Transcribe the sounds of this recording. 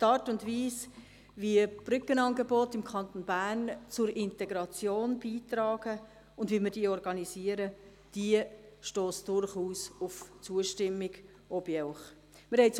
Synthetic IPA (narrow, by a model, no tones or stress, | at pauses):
tɑːɾtʊndʋiːs | vib̥ɾʏkːənɑnɡɛbɔtɪmkʰɑnt̪onbæːɾnt͡sʊɾɪntɛɡɾɑt͡sjoːnb̥iːtɾɑːɡ̥ə | ʊndviːmɪɾd̥iːɔɾɡɑnisiəɾə | d̥iəʃtoːsd̥ʊrχuːsʊft͡suəʃtɪmːɪɡ | ɔbjɛʊχ | mɪɾhɛɪt͡s